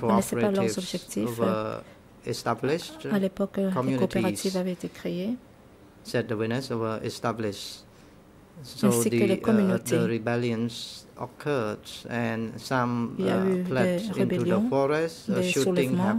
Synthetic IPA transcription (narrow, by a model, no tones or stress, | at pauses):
koɔnɛpsɛɹpləʁfzɔbʒɛk̚t̪ifvə | ɛstablɪʃtalepɔkkɔmjunkotpeiʁat̪ivavɛet̪ekχee | sɛt̚dəwɪnəsowəʔɛ̰stablɪʃ | sõɛ̃sidkəlekkɔmynot̪eəɹibɛljə̃nsɔkʰədsɛ̃nsãmilja̰ylɛeʁẽnbɛlujdə̃fɔɹɛstd̪eʃusuʁlɛɪ̃vŋmɑ̃